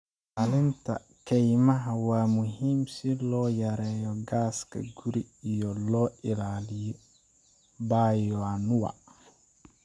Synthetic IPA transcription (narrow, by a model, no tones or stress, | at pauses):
ɐlɪnt̪ʰɐ̰ | kʰɛjmɐɦɐwaːmʊɦiːmsɪlɔːjɐɾɛːjɔɡaːskʰɐ̰ɡʊɾiijɔlɔːʔɪlaːlɪjɔ | baːjɔanʊwɐ̰